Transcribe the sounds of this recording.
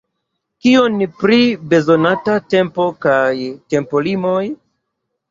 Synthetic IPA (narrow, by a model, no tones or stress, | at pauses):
kio̞npɾibe̞zo̞natate̞mpo̞kajte̞mpo̞limo̞j